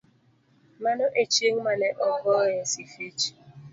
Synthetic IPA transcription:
manoʔet͡ʃeŋ̩maneʔɔɡɔjesifet͡ʃ

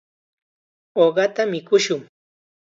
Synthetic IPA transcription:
oɢɑt̪amɪkʊʃʊŋ

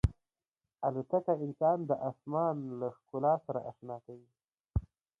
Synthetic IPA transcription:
alut̪akaɪnsɑnd̪əʔɑsmɑnlaxkʊlɑsaɾa̰ʔaʃnɑt̪awi

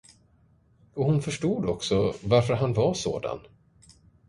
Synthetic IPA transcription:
ɔhʊnfœʂʈuːd̪ɔksɔvaɾfœɾɦanvaso̰ːd̪a̰n

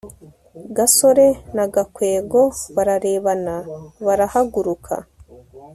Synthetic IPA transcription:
ɡaso̞ɾe̞naɡakwe̞ːɡo̞βaɾaɾe̞ːβanaβaɾahaɡuɾukʰa̰

